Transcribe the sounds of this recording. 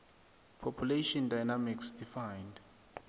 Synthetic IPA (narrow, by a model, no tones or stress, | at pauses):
pʰɔpʰjuleʃɔndajnamiksd̥ifajnd